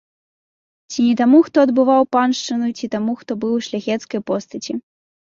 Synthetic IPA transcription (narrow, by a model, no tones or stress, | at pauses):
t͡sʲinʲɛt̪amuxt̪ɔɐd̪bɨvawpanʂt͡ʂɨnujut͡sʲit̪amuxt̪ɔbɨwʂlʲaɣʲɛt̪skɐjpɔst̪ɐt͡sʲi